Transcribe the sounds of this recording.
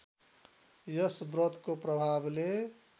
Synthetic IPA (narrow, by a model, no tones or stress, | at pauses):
jəsbɾət̪ʰkopɾəbʱable